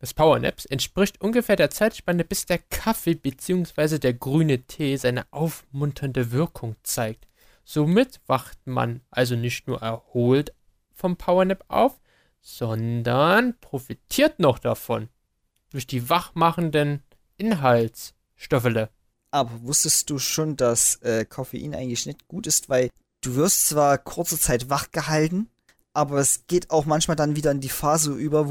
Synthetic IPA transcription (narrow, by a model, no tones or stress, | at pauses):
d̥aspʰaʊɐnɛ̰psɛntʃpʁ̥ɪçtʔʊnɡəfeːɐdeːɐt͡saɪtʃpanəbɪsd̥eːɐkʰafebət͡siːʊŋsv̥aɪzədeːɐɡʁyːnətʰeːzaɪnəʔaʊfmʊntʰɐndəvɪɐkʰʊŋt͡saɪk̚t | z̥omɪtv̥aχtma̰nʔalzonɪçtnuːɐʔɛɐhoːlt | fɔmpʰaʊɐnɛpʔa̰ʊf | z̥ɔndɐnpʁ̥ofitʰiːɐtnɔχd̥afɔn | d̥ʊɐçd̥iːvaχmaχn̩dən | ʔɪnɦalts | ʃtɔflə | ʔaːbɐvʊstəstd̥uːʃoːndasʔɛːkʰofḛʔḭːnʔaɪɡŋ̩tlɪçnɛçtɡ̥uːtɪstv̥aɪl | d̥uːvɪɐstt͡sv̥aːɐkʰʊɐt͡sət͡saɪtv̥aχɡ̥əɦaltn̩ | ʔaːbɐɛsɡ̥eːtaʊxmançmaːldanviːdɐɪndiːfaːzəʔyːbɐ